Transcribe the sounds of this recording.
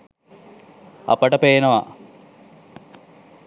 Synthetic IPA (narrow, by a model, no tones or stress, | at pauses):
ɐ̰pɐʈɐpeːnɐʋɐ